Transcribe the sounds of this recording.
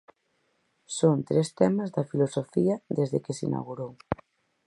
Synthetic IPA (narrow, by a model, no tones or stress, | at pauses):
sont̪ɾest̪ɛmazðɐfilosofiɐðezðekesḭna̰ɣuɾow